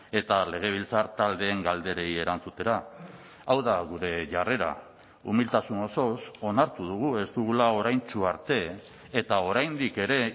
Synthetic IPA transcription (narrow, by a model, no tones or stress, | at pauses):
e̞t̪ale̞ɣ̞e̞β̞ilt͡saɾt̪ald̪e̞ːŋɡald̪e̞ɾe̞ie̞ɾant͡sut̪e̞ɾa | awðaɣuɾe̞ʝare̞ɾa̰ | ṵmilt̪asuno̞so̞so̞naɾt̪uð̞uɣ̞ue̞zt̪uɣ̞ulao̞ɾajnt͡suaɾt̪e̞ː | t̪ao̞ɾajnd̪ike̞ɾe̞